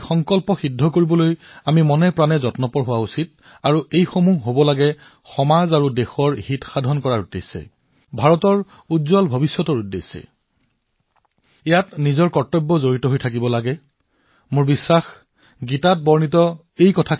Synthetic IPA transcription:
xɔŋkɔlpɔxidʱːɔkoɹibɔlojamimɔnɛpɹanɛzɔtnɔpɔɹɦʊwausit̚ | aɹuʔejxomuɦobɔlaɡɛ | xɔmazaɹudexɔɹhitxadʱɔnkɔɹaɹudesːɛ̰ | bʱaɹɔtɔɹ | udzɔlbʱɔbisjɔtɔɹudːesːɛ̰ | ɛjatnizɔɹkɔɹtːɔbːɔzoɹitɔɦojtʰak̬ibɔlaɡɛ | mʊɹbisːax | ɡitat̚bɔɹnitɔ | ejkɔtʰa

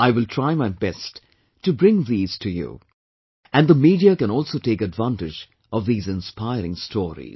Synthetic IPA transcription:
aɪwɪlˠtʰɹ̥aɪmaɪbɛstː | ɨbɾɪ̃ŋðiːz̥tʰɨjṵ | æ̃nðəmiːɾiakɨ̃nɔlˠsoʊteɪkɨdvæ̃ntɪd͡ʒ | ʌvðiːzɨ̃nspaɪɾɪ̃ŋstʰɔːɹḭz

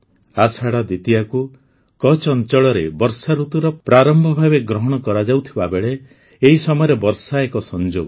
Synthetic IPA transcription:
asaɽad̪it̪iaku | kɔt͡ʃɔnt͡ʃɔɭɔɾebɔɾsaɾut̪uɾɔpɾaɾɔmbʱɔbʱabeɡɾɔɦɔɽ̃ɔkɔɾad͡ʒawt̪ʰibabeɭe | eɦisɔmɔjɔɾebɔɾsaekɔsɔnd͡ʒoɡɔ

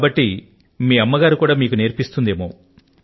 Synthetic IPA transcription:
bɐʈːi | miːɐmːɐɡaːɾukuːɽaːmiːkuneːɾpist̪und̪eːmoː

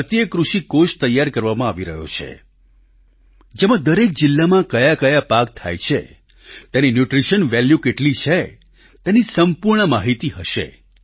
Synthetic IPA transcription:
pət̪jəkɾuʃikoʃt̪əjːaɾkəɾʋamãaʋiɾəɦo̰t͡ʃʰḛ | d͡ʒemãd̪əɾek̚d͡ʒɪlːamãkəjakəjapak̚t̪ʰa̰jt͡ʃʰḛ | t̪eninjuʈɾiʃənʋɛljukeʈlit͡ʃʰe | t̪enisəmpuɾɳəmaɦit̪iɦəʃḛ

